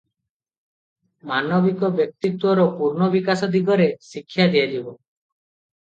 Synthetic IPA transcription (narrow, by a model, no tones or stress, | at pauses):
manɔbikɔbjɔk̚t̪it̪wɔɾɔpuɾnɔbikasɔd̪iɡɔɾesikʰːjad̪ijad͡ʒibɔ